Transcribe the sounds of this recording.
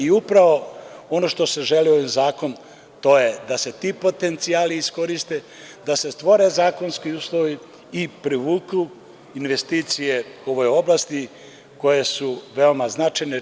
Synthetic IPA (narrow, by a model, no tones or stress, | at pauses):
iupɾaʋo̞ono̞ʃt̪o̞seʒelioʋinzaːko̞n | t̪o̞je̞d̪ase̞t̪ipo̞t̪e̞nt̪siaːliːsko̞ɾist̪e | d̪ase̞st̪ʋo̞ɾe̞zaːko̞nskiuːslˠoʋiː | pɾiʋuːklu | inʋe̞st̪iːt̪sije̞o̞ʋo̞jo̞blast̪i | ko̞jesuʋe̞o̞maznat͡ʃajne